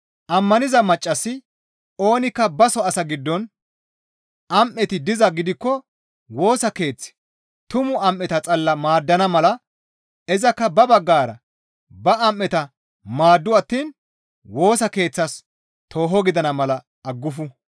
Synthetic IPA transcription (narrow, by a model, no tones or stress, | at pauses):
ʔɐmːɐnɪzɐmɐt͡ʃʼːɐsːɪ | o̞ːnɪkːɐbɐsɔɐsɐɡɪd̪ːɔn | ʔɐmʔːɛt̪ɪd̪ɪzɐɡɪd̪ɪkːɔ | wo̞ːsɐke̞ːt͡sːɪ̥ | t̪ʊmʊɐmʔːɛt̪ɐt͡sʼɐlːɐmaːd̪ːɐnɐmɐlɐ | ɛzɐkːɐbɐbɐɡːaːɾɐ | bɐɐmʔːɛt̪ɐ | maːd̪ːʊɐt̪ːiːn | wo̞ːsɐke̞ːt͡sːɐs | t̪ʰo̞ːɦɔɡɪd̪ɐnɐmɐlɐ | ɐɡːʊfʊ